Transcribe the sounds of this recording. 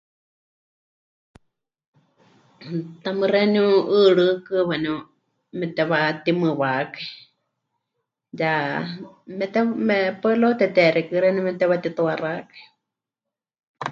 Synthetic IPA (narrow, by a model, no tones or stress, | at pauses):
t̪amɨrɛniũɨɺɨkɨβɛnũ | mɛt̪ɛβat̪imɨwakai | ja | mɛt̪ɛmɛpɛlot̪ɛt̪ɛɾɛkɨɾɛnumɛt̪ɛβat̪it̪uarakḁi̥